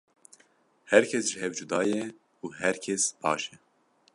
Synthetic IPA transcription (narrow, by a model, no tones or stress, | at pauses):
hɛɾkʰɛsʒɨɦɛvd͡ʒud̪ɑːjɛ | uːɦɛɾkʰɛsb̥ɑ̰ːʃɛ